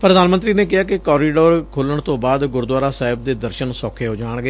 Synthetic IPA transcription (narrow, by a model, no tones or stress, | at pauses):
pɾəd̪aːnmənt̪ɾiːneːk̬ɪɦaːkɪkɔːɾiːɖoːɾkʰoːləɳ̃t̪õːbaːd̪ɡʊɾd̪waːɾaːsaːɦɪb̚d̪eːd̪əɾʃənsɔːkʰeːɦoːd͡ʒaːɳ̃ɡəeː